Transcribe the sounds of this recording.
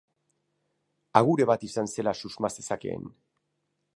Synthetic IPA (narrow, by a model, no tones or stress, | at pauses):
aɣuɾe̞βat̪isanse̞lasuzmase̞sakḛːn